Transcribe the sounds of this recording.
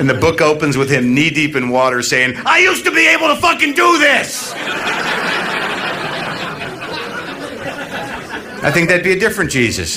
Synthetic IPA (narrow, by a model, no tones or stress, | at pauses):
ɨ̃nðɨbʊkoʊpɨ̃n̩zwɨð̥ɪ̃mnidipɨ̃nwɔɾə˞seɪɪ̃ŋaɪjʉstɨbieɪbl̩ˠtəfʌkɨ̃ndəðɪs | aɪθɪ̃ŋk̚ðɨt̚biɨdɪfɹɨ̃nd̥ʒ̥izɨ̰s